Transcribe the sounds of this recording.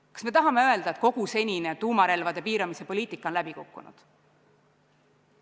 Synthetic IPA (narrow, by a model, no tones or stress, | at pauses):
kɑ̥sme̞t̪ɑɦɑme̞ø̞e̞ld̪ɑet̪̚ko̞ɡ̥use̞nʲine̞t̪uːmɑɾe̞lvɑd̪̥e̞piːɾɑmise̞po̞lʲiːt̪ˑikːˑɑonlæbikukːṵnṵd̪̥